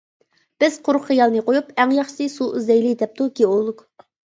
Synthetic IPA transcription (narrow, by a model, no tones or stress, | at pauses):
b̥ɪz̥qʰʊɾχχijɑlˠnɨqojupæŋjɑχʃɨ̥sɨsuyzɛjlid̪ɛp̚t̪uɡʲeolˠːuk